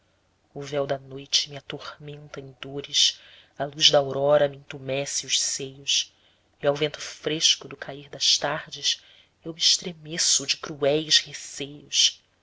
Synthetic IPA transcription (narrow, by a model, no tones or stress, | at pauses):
ʊvɛwd̪ɐnojt͡ʃɪmɪat̪ohmẽnt̪ɐẽj̃d̪oɾɪs | ɐluzd̪ɐawɾɔɾɐmiĩŋt̪umɛsɪʊʃsejʊs | iawvẽnt̪ʊ̥fɾeʃkʊd̪ʊkʰaiɾd̪ɐʃt̪aɾd͡ʒɪs | ewmiːʃt̪ɾemesʊd͡ʒɪkɾuɛjshesejʊʃ